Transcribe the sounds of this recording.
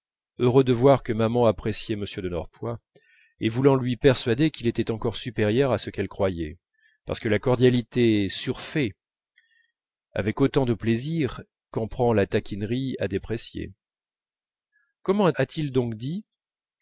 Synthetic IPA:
øʁød̪əvwaʁkəmamɑ̃apχesjɛməsjød̪ənɔʁpwa | evulɑ̃lɥipɛʁsɥad̪ekʲilet̪ɛt̪ɑ̃kɔʁsypeʁjœʁasəkɛlkχwajɛ | pa̰ʁsə̥kəlakɔʁd̪jalit̪esyʁfɛ | a̰vɛkot̪ɑ̃d̪əpleziʁ | kɑ̃pχɑ̃lat̪akʲinʁia̰d̪epχesjḛ | kɔmɑ̃at̪ʰild̪ɔ̃kd̪i

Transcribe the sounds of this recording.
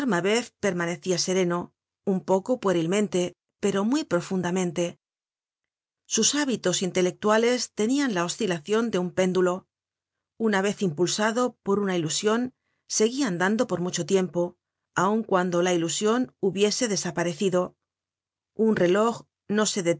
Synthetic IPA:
ɾmaβe̞θpe̞ɾmane̞θiase̞ɾe̞no̞ | umpo̞ko̞pweɾilmẽ̞nt̪e̞ | pe̞ɾo̞mwijpɾo̞fund̪amẽ̞nt̪e̞ | susaβit̪o̞sint̪e̞le̞k̚t̪wale̞st̪e̞nianlao̞st̪ilaθjo̞nd̪eumpe̞nd̪ulo̞ | unaβe̞θimpulsaðo̞po̞ɾunailusjo̞n | se̞ɣiand̪and̪o̞po̞ɾmut͡ʃo̞t̪je̞mpo̞ | auŋkwand̪o̞lailusjo̞nuβje̞se̞ðe̞sapaɾe̞θiðo̞ | unre̞lo̞x | no̞se̞ðe

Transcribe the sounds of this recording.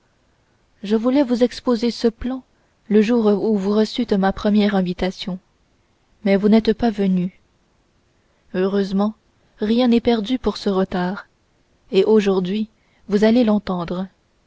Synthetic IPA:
ʒəvulɛvuzɛkspozesəplɑ̃ | ləʒuʁuvuʁəsyt̪mapχəmjɛʁɛ̃vit̪asjɔ̃ | mɛvunɛt̪pavəny | øʁøzmɑ̃ | ʁjɛ̃nɛpɛʁd̪ypuʁsəʁət̪aːʁ | eʔoʒuʁd̪ɥi | vuzalelɑ̃t̪ɑ̃d̪ʁə

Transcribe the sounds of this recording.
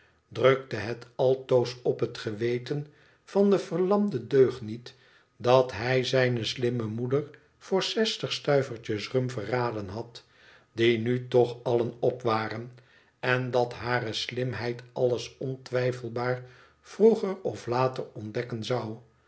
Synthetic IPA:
drøk̚təɦɛtɑlˠtowsɔpɦətχəʋejtən | v̥ɑndəvəɹlɑmdədøɥχtnit | dɑtɦɛjzɛjnəslɪməmudər | v̥ʊːɹsɛstəχstœɥvəɹt͡ʃəsrɵmvəraːdənɦɑt | d̥inytɔχɑlənɔpʋaːrən | ɛndɑtɦaːrəslɪmɦɛjtɑləsɔntʋɛjfəl̩ˠbaːɹ | v̥ruχəɹɔflaːtərɔndɛkənzɑw

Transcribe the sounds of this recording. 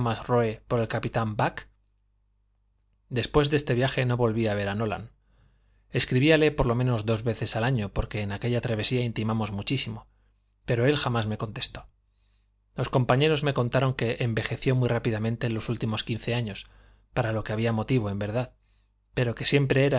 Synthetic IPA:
mazroepo̞ɾe̞lkapit̪ambak | d̪e̞spwe̞zðe̞st̪e̞βjaxe̞no̞βo̞lβiaβ̞e̞ɾano̞la̰n | e̞skɾiβiale̞poɾlo̞mẽno̞zd̪o̞zβe̞θe̞salaɲo̞po̞ɾke̞ːnake̞ʎat̪ɾaβ̞e̞siaint̪imamo̞zmut͡ʃisimo̞ | pe̞ɾo̞e̞lxamazme̞ko̞nt̪e̞̥st̪o̞̥ | lo̞sko̞mpaɲe̞ɾo̞zme̞ko̞nt̪aɾo̞ŋke̞ʔembe̞xe̞θjo̞mwirapiðamẽnt̪e̞lo̞sult̪imo̞skĩn̟θe̞aɲo̞s | paɾalo̞ke̞aβ̞iamo̞t̪iβo̞e̞mbe̞ɾðað | pe̞ɾo̞ke̞sje̞mpɾe̞eɾa

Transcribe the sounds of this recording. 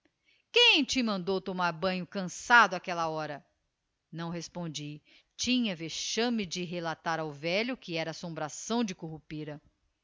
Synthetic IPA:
kẽj̃ẽj̃t͡ʃimɐ̃nd̪owt̪omaɾbɐ̃ɲʊkɐ̃sad̪ʊakɛlɐɔɾɐ | nɐ̃w̃ɦespõnd͡ʒi | t͡ʃĩɲɐveʃɐ̃mɪd͡ʒɪɦelat̪aɾawvɛʎʊkɪɛɾɐːsõmbɾasɐ̃w̃d͡ʒɪkoɦupiɾɐ

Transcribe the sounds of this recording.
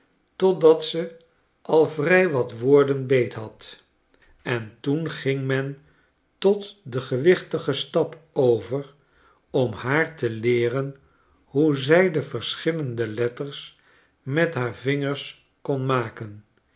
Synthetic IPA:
tɔdɑtsə | ʔɑlˠvrɛjʋɑtʋʊːɹdənbejtɦɑt | ɛntunχɪŋmɛn | tɔtdəχəʋɪχtəχəstɑpowvər | ɔmhaːɹtəlɪːrən | ɦuzɛjdəvəɹsχɪləndəlɛtəɹs | mɛtɦaːɹvɪŋəɹs | kɔnmaːkən

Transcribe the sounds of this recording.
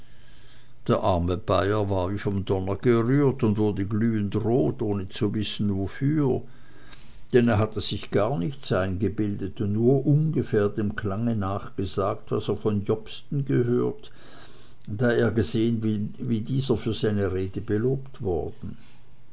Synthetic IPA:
d̥eːɐʔaɐməb̥aɪɐvaːɐviːfɔmdɔnɐɡ̥əʁyːɐtʊndvʊɐdəɡlyːəntʁoːtʔoːnət͡suvɪsn̩vofyːɐ | d̥ɛneːɐɦatʰəz̥ɪçɡ̥aːɐnɪçtsaɪnɡəbɪldətnuːɐʔʊnɡəfɛːɐdeːmkʰl̥aŋənaːχɡ̥əzaːktva̰seːɐfɔnjɔpstn̩ɡəhøːɐt | d̥aːeːɐɡəzeːənvɪviːdiːzɐfyːɐz̥aɪnəʁeːdəbəloːptv̥ɔɐd̥n̩

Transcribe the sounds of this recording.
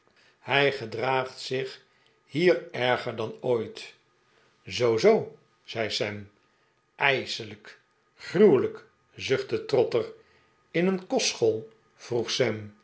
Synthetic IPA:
hɛjχədraːχtsɪχ | hiːɹɛɹχəɹdɑnojt | zowzow | z̥ɛjsɛm | ʔɛjsələk | χrywlək | zɵχtətrɔtər | ɪnənkɔsχolˠ | v̥ruχsɛm

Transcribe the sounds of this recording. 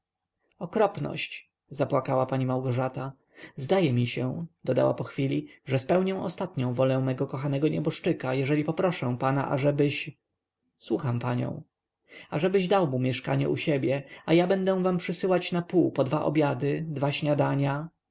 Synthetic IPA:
ɔkɾɔpnɔ̰ɕt͡ɕ | zapwakawapaɲimawɡɔʐat̪a | zd̪ajɛmʲiɕɛd̪̥ɔd̪a̰wa̰pɔxfʲilʲiʐɛspɛwɲɛw̃ʔɔ̰st̪at̪ɲɔ̃w̃vɔlɛ̃w̃mɛɡɔkɔxanɛɡɔɲɛbɔʂt͡ʂɘkajɛʐɛlʲipɔpɾɔʂɛ̃w̃pana̰ʔa̰ʐɛbɘɕ | swuxampaɲɔ̰̃w̃ | aʐɛbɘʑd̪awmumʲjɛʂka̰ɲɛ̰ʔuɕɛbʲjɛajabɛnd̪ɛ̃w̃vampʂɘsɘwat͡ɕnapuːpɔd̪vaʔɔ̰bʲjad̪ɘd̪vaɕɲad̪aɲa

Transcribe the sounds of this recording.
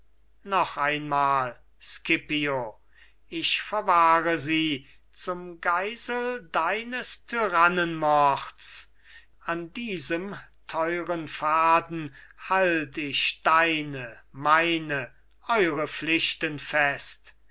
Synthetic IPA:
nɔχaɪnmaːl | skɪpio | ɪʃfɛɐvaːʁəziː | t͡sʊmɡaɪzəldaɪnəstʰyʁanənmɔʁts | andiːzəmtʰɔʏʁənfaːd̪n̩haltɪʃd̥aɪnəmaɪnə | ʔɔʏʁəflɪʃtənfɛst

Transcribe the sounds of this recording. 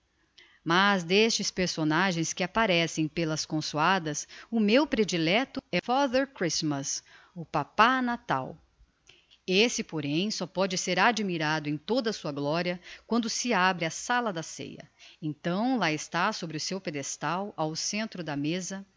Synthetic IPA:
mazd̪est͡ʃɪspeɾsonaʒẽj̃skɪapaɾɛsẽj̃pelɐskõsuad̪ɐsʊmewpɾed͡ʒilɛt̪ʊɛfaðɛɾkɾismɐs | ʊpapanat̪a̰w | esɪpoɾẽj̃sɔpɔd͡ʒɪseɾad͡ʒmiɾad̪ʊẽj̃t̪od̪ɐsuɐɡlɔɾiɐkwɐ̃nd̪ʊsɪabɾɪasalɐd̪ɐsḛjɐ̰ẽt̪ɐ̃w̃laɪst̪asobɾɪʊsewped̪est̪awawsẽnt̪ɾʊd̪ɐmezɐ

